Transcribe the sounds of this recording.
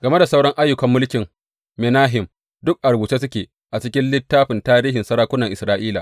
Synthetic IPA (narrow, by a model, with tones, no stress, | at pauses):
ɡ̥ɐ˨me˦da˨sa˦wɽɐ˦ŋʔa˦jːʊ˨kɐ˨mːʊ˦lkʲɪ˨ŋ | mɪ˦naː˦ɦɪ˨m | dʊ˦k̚ʔa˨ɾbuː˨t͡ʃeː˦sʊ˦kʲeː˨ | ʔa˨t͡ʃɪ˦kʲɪ˦nlɪ˦tːaː˦ɸɪ˨ntaː˦ɾiː˦ɦɪ˨nsɐ˦ɾaː˦kʷʊ˦nɐ˨ŋʔɪ˨sɾaː˦ʔiː˦la̰˨